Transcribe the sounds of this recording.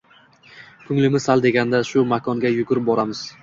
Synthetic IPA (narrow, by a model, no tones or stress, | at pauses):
kʰʊŋlɪmɪzsald̪e̞ɡʲand̪aʃʊmakʰɒŋɡʲajʊkʲʊɾɪp̚bɒɾamɪz̥